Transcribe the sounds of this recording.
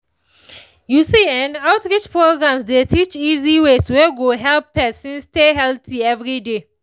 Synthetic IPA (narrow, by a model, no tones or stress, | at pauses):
jusiɛ̃naʊtɹit͡ʃpɹoɡɹãmsdetʰit͡ʃiziwesweɡoɦɛlpːɛsĩnsteɦɛltʰiɛvɹide